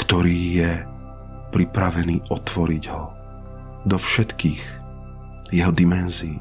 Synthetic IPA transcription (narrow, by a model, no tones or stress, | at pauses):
kt̪ɔɾiːjɛ | pɾipɾaʋɛniːʔɔt̪ʋɔɾiɟɦɔ | d̪ɔfʃɛt̪kiːx | jɛɦɔd̪imɛnziː